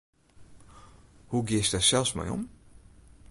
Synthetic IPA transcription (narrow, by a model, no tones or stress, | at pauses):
huɡɪəsdasɛlˠfsmɛ̰jɔ̰m